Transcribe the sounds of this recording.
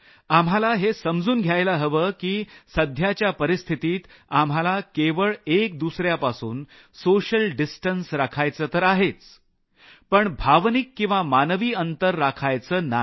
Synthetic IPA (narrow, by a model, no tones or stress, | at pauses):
amɦalaɦesəmd͡zuːnɡʱjajlaɦəʋəːkiːsəd̪ʱjat͡ɕjapəɾist̪ʰit̪iːt̪ | am̤ɦalakeʋəɭek̚d̪usɾjapasuːn | soɕəlɖisʈənsɾakʰajt͡səːt̪əɾaɦet͡s | pəɳbʱaʋnikːĩw̃ʋamanʋiːənt̪əɾːakʰajt͡səːna